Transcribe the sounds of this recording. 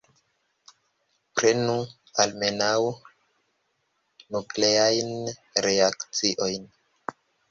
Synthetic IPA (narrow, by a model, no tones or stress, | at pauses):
pɾe̞nu | alme̞naw | nukle̞ajn | ɾe̞akt͡siʔo̞jn